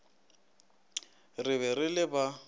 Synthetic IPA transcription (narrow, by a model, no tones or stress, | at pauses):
rɪβɛrɪlɪba